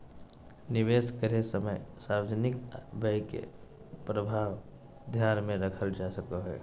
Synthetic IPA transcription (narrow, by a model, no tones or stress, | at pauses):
nɪʋeːskəɾesəməjsaːwd͡ʒnɪkbəjkḛ | pɾəbʱaːʋ | d̪ʱjaːnmẽɾəkʰəld͡ʒasəkoɦɛ̰ː